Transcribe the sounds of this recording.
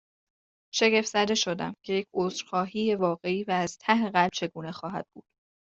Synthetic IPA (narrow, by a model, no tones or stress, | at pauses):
ʃe̞ɡe̞ft̪zæd̪eʃo̞d̪æ̰mcʰe̞je̞cʰoːzɾxɒːɦiːje̞vɒːɣe̞iːvæːz̥t̪ʰæheɣælb̥̚t͡ʃʰe̞ɡuːne̞xɒːɦæ̰d̪̥̚buːd̪̥